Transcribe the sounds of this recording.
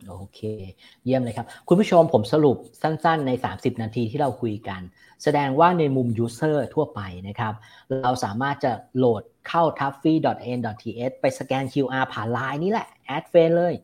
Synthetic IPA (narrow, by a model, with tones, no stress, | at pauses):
ʔoː˧kʰeː˧ | ji˥˩əmlaː˧jkʰa˦˥p̚kʰu˧npʰu˥˩t͡ɕʰo˧mpʰo˩˦msa˧ɾu˨˩p̚sa˥˩nsa˥˩nːa˧jsa̰ː˩˦msi˨˩p̚naː˧t̪ʰiː˧t̪ʰiː˥˩ɾa˧wkʰu˧jka˧n | sa˧dɛː˧ŋwaː˥˩na˧jmu˧mjuː˦˥sɤː˥˩t̪ʰu˥˩ɐpa˧jna˦˥kʰɾa˦˥p̚ɾa˧wsaː˩˦maː˥˩t̪̚t͡ɕa˨˩loː˨˩t̪̚kʰa˥˩wt̪ʰa˦˥p̚fiː˧dɔ˨˩t̪̚ʔeː˧ndɔ˨˩t̪̚ʰːiː˧ʔe˦˥t̪̚pa˧jsa˧kɛː˧nkʰi˧wʔaː˧pʰaː˨˩nlaː˧jniː˦˥˩lɛ˨˩ʔʔɛː˦˥t̪̚feː˧nlɤː˧˩j